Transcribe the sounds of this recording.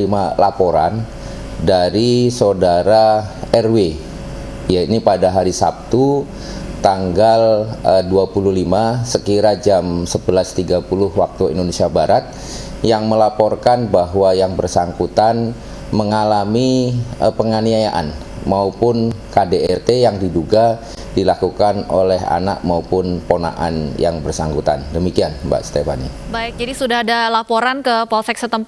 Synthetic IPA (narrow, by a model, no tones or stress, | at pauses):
imalapoɾan | daɾisodaɾaɛrwe | jainipadaɦaɾisa̰p̚t̪u | t̪aŋɡaləduapuluhlimasəkiɾad͡ʒamsəbəlast̪iɡapulʊhwak̚t̪uḭndonesiabaɾat̪̚ | jaŋməlapɔrkanbaɦwajaŋbərsaŋkut̪an | məŋalamiəpəŋaniajaʔa̰n | maupʊnkadeɛrt̪ejaŋdiduɡa | dilakukano̰lɛɦa̰na̰k̚maupʊnpona̰ʔa̰njaŋbərsaŋkut̪a̰ndəmikianba̰ʔst̪efa̰nḭbaɪk̚d͡ʒadisudahadalapoɾankəpɔlsɛksət̪əmp